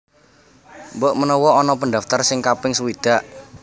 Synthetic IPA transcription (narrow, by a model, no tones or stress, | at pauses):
mbɔʔmənɔwɔɔnɔpənd̪aft̪ərsɪŋkapɪŋsəwid̪̥a̤ʔ